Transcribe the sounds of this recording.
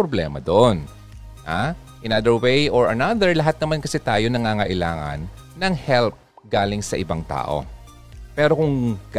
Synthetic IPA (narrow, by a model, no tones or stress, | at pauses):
ɾoblɛːmɐ̰d̪oʔon | ʔa | ʔɪnad̪ɛɹwejʔoɹɐnad̪ɛɹlɐɦat̪̚nɐmankɐsɛt̪aːjonɐŋaːŋɐʔɪla̰ːŋɐ̰nː | ɐŋhɛlp̚ | ɡaːlɪŋsɐʔɪbaŋt̪a̰ːʔo̞̰ | pɛːɾo̞kʊŋ